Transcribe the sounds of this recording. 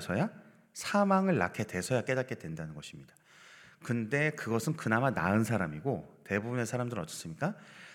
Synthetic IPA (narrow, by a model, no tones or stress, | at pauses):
sʰʌja | sʰamaŋɯɭːa̰kʰe̞te̞sʰʌjak͈e̞dat̚k͈e̞dwe̞ndanɯnɡʌɕʰimɲidḁ | kɯnde̞kɯɡʌsʰɯnkɯnamana̰ɯnsʰaɾamiɡote̞bubune̞sʰaɾamdɯɾʌt͡ɕ͈ʌ̥s͈ɯmɲik͈a